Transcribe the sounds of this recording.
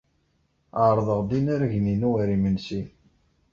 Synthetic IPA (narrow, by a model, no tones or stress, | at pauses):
aɾˤðˤəʁd̪inæɾʝninuwæɾimənsi